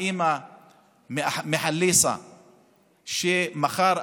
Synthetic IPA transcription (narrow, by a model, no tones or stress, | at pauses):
ima | mmeħalːisa̰ | ʃemaxaɾˤ